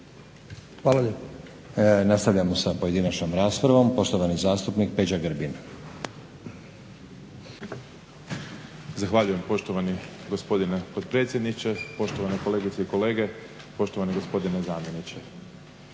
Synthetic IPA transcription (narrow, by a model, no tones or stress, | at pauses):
xʋaːlaʎep | nast̪aʋʎamosapo̞je̞d̪inat͡ʃnomɾaːspɾaʋo̞mpo̞ʃt̪o̞ʋanizaːst̪upnik̚pe̞d͡ʑaɡɾbin | zaxʋaʎuje̞mpo̞ʃt̪oʋani | ɡospo̞d̪inepod̪̚pɾe̞t̪sjed̪nit͡ɕepo̞ʃt̪oʋanekole̞ːɡit̪seiko̞le̞ːɡe̞ | po̞ʃt̪oaneɡo̞spo̞d̪inezaːmʲje̞nit͡ɕe